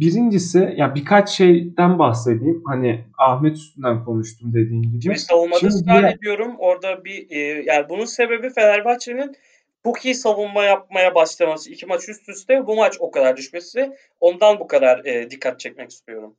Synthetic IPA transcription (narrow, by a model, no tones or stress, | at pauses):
biɾind͡ʒisɪjabikʰat͡ʃʃejd̪ænbahse̞d̪ijimhaniahmɛt̪ʰy̥st̪ynd̪ænkʰo̞nuʃt̪ʰumd̪e̞d̪iːnɟibiisavunmadiaed̪ijo̞ɾumo̞ɾd̪abiːjaːnibununse̞be̞bife̞d̪æɾbat͡ʃenin | b̥ucʰisavunmajap̚majabaʃlˠamasɯicʰimat͡ʃʰyst̪ʰysd̪ɛbumat͡ʃo̞kad̪aɾd̪yʃme̞si | o̞nd̪anbukʰad̪aɾɯːd̪ikʰːat̪̚t͡ʃʰɛc̚mɛci̥st̪ʰijo̞ɾum